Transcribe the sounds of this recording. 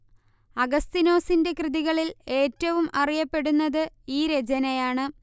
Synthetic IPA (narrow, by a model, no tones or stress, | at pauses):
ɐɡɐst̪ino̞ːsinde̞krɨðiɣɐɭile̞ːtːɐʋumʔɐrijɐpːe̞ɽunːɐðɨ | iːɾed͡ʑɐnɐjaːɳɨ